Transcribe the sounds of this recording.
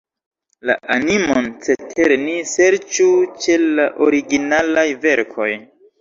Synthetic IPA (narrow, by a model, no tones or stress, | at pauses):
la̰ʔanimont͡se̞tʰeɾnise̞ɾt͡ʃut͡ʃe̞laʔoɾiɡinalajve̞ɾkʰo̞j